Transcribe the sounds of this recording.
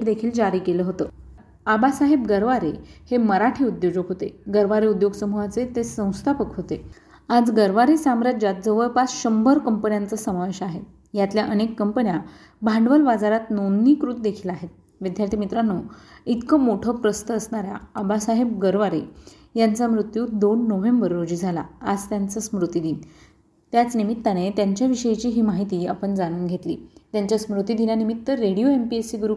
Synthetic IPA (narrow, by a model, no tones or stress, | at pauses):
d̪ekʰiːld͡zaɾiːkeləːɦot̪ə | abasaɦebɡəɾʋaɾeheməɾaʈʰiːud̪jod͡ʑəɡɦot̪eɡəɾʋaɾeud̪joɡsəmoʋat͡set̪esə̃w̃st̪ʰapəkɦot̪e | ad͡zɡəɾʋaɾisamɾad͡ʑat̪̚d͡zəʋəɾpasɕəmbʱəɾkəmpənjant͡səsəmaʋeɕaɦet̪̚ | jat̪ljaʔənekːəmpənja | bʱaɳɖʋəlʋad͡zaɾat̪nonːiːkɾut̪d̪ekʰiːlaɦet̪̚ | ʋid̪jaɾt̪ʰimit̪ɾanoit̪kəmoʈʰəpɾəst̪əːsnaɾja̰əbasaɦeb̚ɡəɾʋaɾe | jant͡samɾut̪juːd̪onːoʋembəɾːod͡ʑiːd͡zʱala̰ːd͡zt̪jant͡səsmɾut̪id̪iːn | t̪jat͡snimit̪ːanet̪jaɲt͡ɕjaʋiɕəjt͡ɕiːɦiːmaɦit̪iːapəɳd͡zanuːnɡʱet̪lḭːt̪jaɲt͡ɕjasmɾut̪id̪injanimit̪ːəɾeɽijoempiesiɡuɾu